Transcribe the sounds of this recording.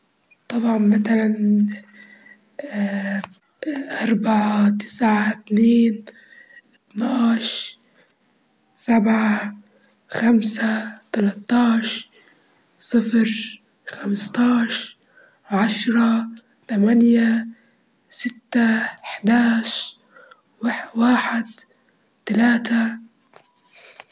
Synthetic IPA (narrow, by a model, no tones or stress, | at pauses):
t̪ˤɑbʕɑnmat̪alan | ʔɑɾˤbaʕat̪ɪ̥sʕat̪neːn | ʔɪt̪naːʃ | sabʕa | xamsat̪alat̪ˤːɑːʃ | sˤɨfɾ | xamst̪ˤɑːʃ | ʕaʃɾˤɑ | t̪amanja | sɪt̪ːaɪħd̪aːʃ | wawaːħɪd̪ | t̪alaːt̪a